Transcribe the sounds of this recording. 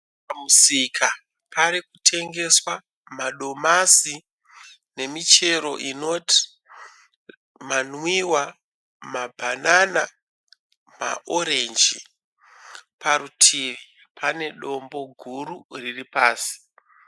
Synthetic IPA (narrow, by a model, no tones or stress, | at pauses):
pamusikʰa | pʰaɾikutʰe̞ŋɡe̞swa | maɗo̞masi | ne̞mit͡ʃe̞ɾo̞̰ʔino̞tʰi̥ | manwiwa | mabʱanana | ma̰ʔo̞ɾe̞nd͡ʒi | pʰaɾutʰiʋi | pʰane̞ɗo̞mbo̞ɡʱuɾuriripaːsi̥